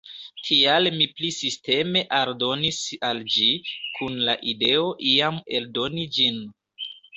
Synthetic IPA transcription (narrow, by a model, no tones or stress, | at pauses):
tʰialmiplisiste̞me̞ʔaɾdo̞nisald͡ʒikʰunlaʔide̞o̞ʔiame̞ldo̞nid͡ʒin